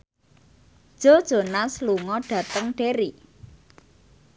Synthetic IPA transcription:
d̥ʒ̥o̤d̥ʒ̥o̤nasluŋɔɖ̥ä̤t̪əŋɖ̥eɾi

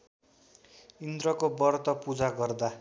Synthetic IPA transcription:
ind̪ɾʌkobʌrt̪ʌpud͡zaɡʌrd̪a

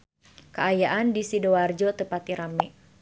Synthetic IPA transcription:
kəajaʔandisidoward͡ʒɔt̪əpat̪iɾamɛ

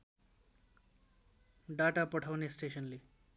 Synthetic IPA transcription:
ɖaʈapʌʈʰawnesʈesʌnle

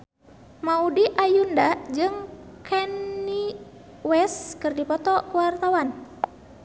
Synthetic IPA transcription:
maudiʔajundad͡ʒɨŋkʰɛnːi | wɛskɨrdipɔt̪ɔkuwart̪awan

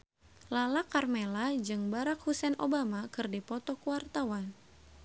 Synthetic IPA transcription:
lalakarmɛlad͡ʒɨŋbaɾak̚husɛnʔo̰bamakɨrdipɔt̪ɔkuwart̪awan

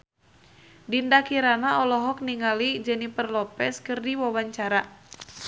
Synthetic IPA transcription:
dindakiɾanaɔlɔɦɔk̚niŋalid͡ʒənipərlɔpɛskɨrdiwawaɲt͡ʃaɾa

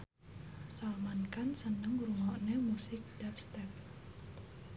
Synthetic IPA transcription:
salmankansənəŋɾuŋɔʔnemusɪk̚dapst̪ɛp̚

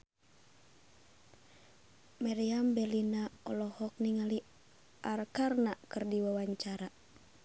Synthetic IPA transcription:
maɾiambɛlinaɔlɔhɔk̚niŋali | ʔarkarnakɨrdiwawaɲt͡ʃaɾa

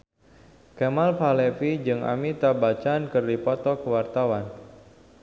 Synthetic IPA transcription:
kemalpalɛfid͡ʒɨŋa̰mit̪abat͡ʃankɨrdipɔt̪ɔkəwart̪awan

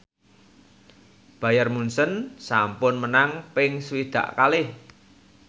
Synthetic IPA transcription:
b̥a̤jarmunsənsampʊnmənaŋpɪŋswid̪̥ä̰ʔkalɪh

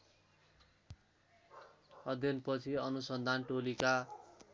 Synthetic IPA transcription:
ʌd̪ʱjʌnpʌt͡sʰiʌnusʌnd̪ʱanʈolika

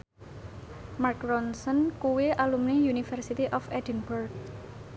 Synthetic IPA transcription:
markrɔnsɔnkuweʔalumnijunifɛrsit̪iʔɔfɛdənburk̚

